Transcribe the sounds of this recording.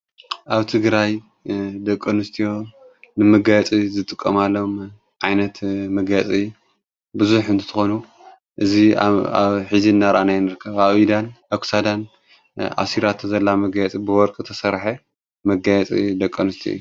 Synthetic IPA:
ʔaβt̪ʰɨɡɾaj | d̪ɐkʼːɐnɨst̪ʰijo̞ | nɨmɨɡajɛt͡sʼizɨt̪ʼɨkʼːɐmalːom | ʕajnɐt̪mɐɡjat͡sʼi | bɨzuħɨnt̪ʰɨt̪ʰɨxonu | ʔɨzia̰βħiziɨnːaɾʔanajnɨɾɨkʰːɐβaβid̪anaksad̪an | a̰siɾat̪ʰzɐlːamɐɡajɛt͡sʼibɨwɔɾkʼɨt̪ʰɐsɐɾħe | mɐɡajɛt͡sʼḭd̪ɐkʼːɐnɨst̪ʰijo̰ju

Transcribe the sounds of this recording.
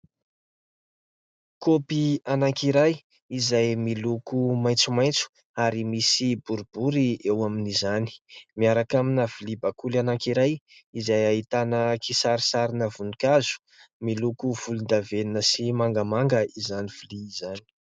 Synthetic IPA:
kopianaŋkiɾaj | izajmilukumajnt͡sumajnt͡su̥ | aɾimisibuɾub̥uɾiewaminizani̥miaɾakaminavilibakulanaŋkiɾajizajaɦit̪anəkʰisaɾisaɾinəvunikazu̥ | milukuv̥ulund̪aveninəsimaŋɡəmaŋɡəʔizaniv̥iliːzani̥

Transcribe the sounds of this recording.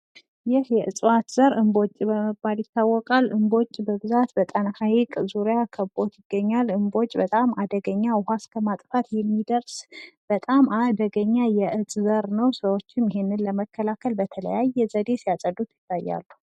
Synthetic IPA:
jɪhjɛʔɨt͡sʼwat̪z̥əɾʔɨmbo̞t͡ʃʼbəməbːaljɪt̪ːawːɔkʼalʔɨmbo̞t͡ʃʼːbəbɨzat̪bət̪ʼənahajikʼzuɾjakʰəbo̞t̪jɪɡːəɲːalɨmbo̞t͡ʃʼbət̪ʼamad̪əɡəɲːawʊhaskʰəmat̪ʼfat̪jɛmːid̪əɾsb̥ət̪ʼamad̪əɡəɲːajɛʔɨt͡sʼzəɾnəwsəwo̞t͡ʃːɪmjɪɦenːɨnləməkːəlakʰəlbət̪ʰələ̰jajːɛzəd̪esijasʼəd̪ut̪jɪt̪ːajːa̰lːu

